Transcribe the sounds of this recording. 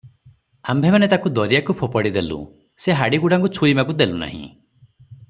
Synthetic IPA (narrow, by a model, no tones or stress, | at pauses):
ambʱemanet̪akud̪ɔɾijakupʰopɔɽid̪elṵ̃ | seɦaɽiɡuɽaŋkut͡ʃʰuimakud̪eluna̰ɦḭ̃